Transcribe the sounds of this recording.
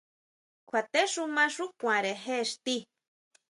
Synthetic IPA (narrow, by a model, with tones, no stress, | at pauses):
kʷʰa˨t̪e˦ʂu˦mã˦ʂu˦kʷã˨ɾe˨ɦe˦ʂt̪i˦